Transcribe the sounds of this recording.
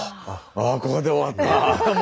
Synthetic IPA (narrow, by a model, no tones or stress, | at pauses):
akokod̪eoβat̪ːam